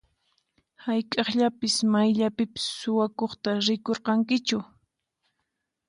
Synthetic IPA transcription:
hajkʼɑχʎapɪsmajʎapɪpɪ̥sːʊwakoχt̪aɾɪkoɾqɑŋkɪt͡ʃʊ

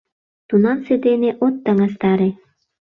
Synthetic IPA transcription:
t̪unɑnsed̪eneʔot̪ːəŋɑs̬t̪ɑɾe

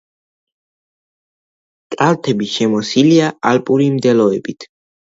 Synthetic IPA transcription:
t̪ʼalt̪ʰɛbiʃɛmɔsiliaalpʼuɾimd̪ɛlɔɛbit̪ʰ

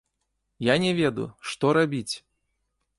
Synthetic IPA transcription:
janʲɛvʲɛd̪ṵʂt̪ɔɾabʲit͡sʲ

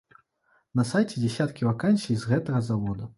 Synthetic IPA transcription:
nɐsajt͡sʲɛd͡zʲasʲat̪kʲivakanʲsʲijzɣɛt̪ɐɣɐzavɔd̪u

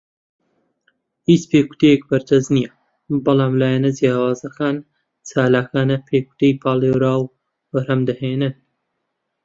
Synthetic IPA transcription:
hiːt͡speːku̥t̪ʰejek̚bɐɾt̪ʰɐznijɐ | bɐlˠaːmlaːjanɐd͡zjaːwaːzɐkʰaːn | t͡sʰaːlaːkaːnɐpʰeːku̥t̪ʰejpʰaːlˠewɾaːw | bɐɾhɐmd̪ɐheːnɨn

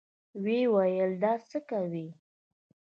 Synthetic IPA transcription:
wewajəld̪ɑt͡səkawi

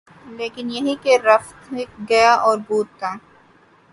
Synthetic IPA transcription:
leːkɪnjɐɦikeɾɐft̪ɡɐjaʔɔːɾbuːt̪̚t̪aː

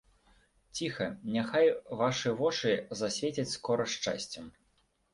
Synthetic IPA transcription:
t͡sʲixɐnʲaxajvaʂɨvɔt͡ʂɨzasʲvʲet͡sʲit͡sʲskɔɾɐʂt͡ʂa̰sʲt͡sʲɐm

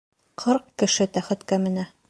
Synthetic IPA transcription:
qʰɤɾqkːɘ̆ʃɘt̪æχɘ̆t̪kæmɘ̆næ

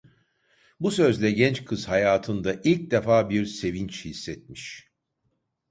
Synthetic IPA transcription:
busø̞zlʲɛɟɛnt͡ʃkʰɯz̥hajaːt̪ʰɯnd̪aʔilʲc̚d̪ɛfaːbiɾse̞vint͡ʃhisːɛt̪̚miʃ

